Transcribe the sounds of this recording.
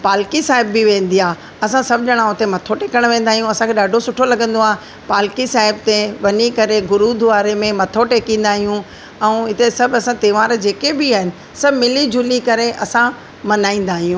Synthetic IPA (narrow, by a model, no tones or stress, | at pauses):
paːlkisaːɦɪbːɪʋẽːn̆d̪iaː | ɐsãsɐbʱʄɐɽ̃ãːʊt̪emɐt̪ʰoʈeːkəɽ̃ʋẽːnd̪aːɦijũɐsãkʰeɗaːɖʱosʊʈʰolɐɡə̃nd̪oaː | paːlkisaːɦɪb̚t̪eʋɐɲikɐɾeɡʊɾuːd̪ʱʊʋaːɾemẽmɐt̪ʰoʈeːkĩːn̆d̪aːɦijũ | ɛ̃ɦɪt̪esɐbʱɐsãt̪eːʋaːɾd͡ʑeːkebiaːɦɪnɪ̆ | sɐbmɪlid͡ʑʱʊlikɐɾeʔɐsã | mɐnaːĩːn̆d̪aːɦijũː